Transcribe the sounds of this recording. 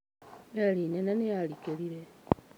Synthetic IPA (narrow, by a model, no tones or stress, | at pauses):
elinenenejalikeɾiɾe